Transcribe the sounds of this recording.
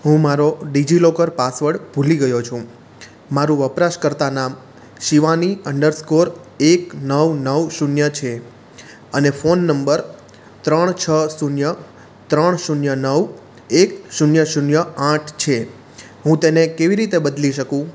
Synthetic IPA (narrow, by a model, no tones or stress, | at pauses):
ɦũmaɾoɖid͡ʒilokəɾpasʋəɽbʱuliɡəjot͡ʃʰũ | maɾũʋəpɾaʃkəɾt̪anam | ʃiʋaniəɳɖəɾskoɾ | eknəʋnəʋʃunjət͡ʃʰe | ənefonːəmbəɾ | t̪ɾəɳ̃t͡ʃʰəsunjə | t̪ɾəɳ̃ʃunjənəʋ | ekʃunjəʃunjəãʈʰt͡ʃʰe | ɦũt̪enekeʋiɾit̪ebəd̪liʃəkũ